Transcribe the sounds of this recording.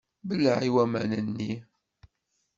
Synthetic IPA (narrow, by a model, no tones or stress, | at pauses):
bəlːəʕiwæmænənːi